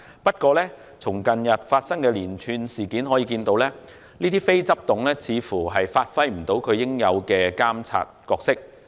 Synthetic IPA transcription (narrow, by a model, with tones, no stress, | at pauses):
pɐ˥t̚kɔː˧lɛː˥ | t͡sʰʊ˨˩ŋkɐ˨njɐ˨t̚faː˧t̚sɐ˥ŋkɛː˧liː˨˩nt͡ʃʰyː˧nsiː˨˩kiː˨˥nɦɔ˨˥jiː˧kiː˧nt̪o˧wlɛː˥ | niː˥t̪iː˥fe˥jt͡sɐ˥p̚t̪ʊ˨ŋlɛː˥t͡sʰiː˨˧fuː˨˩ɦɐ˨jfaː˧t̚fɐ˧jm̩˨˩t̪o˨˥wkʰɵ˨˧ɥjɪ˥ŋjɐ˨˧wkɛː˧kaː˥mt͡sʰa̰ː˧t̚kɔː˧k̚sɪ˥k̚